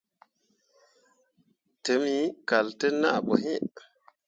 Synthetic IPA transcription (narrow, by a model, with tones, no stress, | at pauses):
tə˨˦mi˨˦ka˨ltə˦na˦˨ɓo˨ɦi˦